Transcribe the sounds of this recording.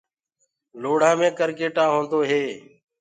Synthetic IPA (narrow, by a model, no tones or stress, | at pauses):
loːɽ̤ãːmẽːkəɾkeːʈãːɦõːnd̪oːɦeː